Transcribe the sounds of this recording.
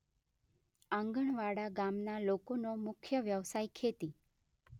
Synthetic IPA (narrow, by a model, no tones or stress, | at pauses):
ãŋɡəɳʋaɽaɡamnalokonomʊkʰjəʋjəʋsajkʰet̪i